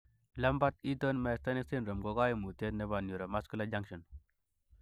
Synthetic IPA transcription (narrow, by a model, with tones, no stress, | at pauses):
la˦mba˦t̪i˦to˦nma˦˨˦st̪a˦ni˦kse˦nɾə˨mɡo˦ɡa˦ji˦mu˨te˦tne˦ba˨nju˨ɾa˨ma˦sku˦la˦d͡ʒa˦ŋʃo˨n